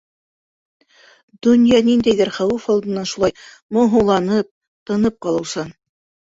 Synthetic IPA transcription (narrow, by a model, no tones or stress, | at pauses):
d̪̥ɵ̆njɑnind̪æjðɘɾχæwufɑlˠd̪ɤ̆nːɑnʃulˠɑj | mŏɦɤ̆lˠɑnɤp̚ | t̪ɤ̆nɤp̚qɑlˠɤ̆wsɤn